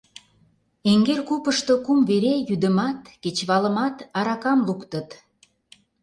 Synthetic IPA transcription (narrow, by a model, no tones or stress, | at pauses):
eŋɡerkupəʃt̪okumveɾejyd̪ə̆mɑt̪ket͡ɕβɑlə̆mɑt̪ɑɾɑkɑmlukt̪ət̪